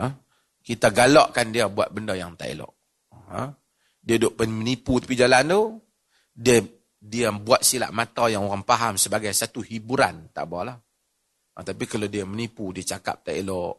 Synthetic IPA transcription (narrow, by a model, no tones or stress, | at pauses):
ə | kit̪aɡalɔʔkandiabua̰t̪̚bəndɔjaŋt̪a̰ʔḭlɔ̰ʔ | ə̰̃ | diadʊʔpənməniput̪ḁpid͡ʒalant̪u | diə | diabuat̪̚sila̰ʔmat̪ajaŋoɣaŋpaɦamsəbaɡajsat̪uhibuɾant̪a̰ʔbɔlah | ə̰t̪apikaladiamənipudiat͡ʃaka̰p̚t̪ailɔʔ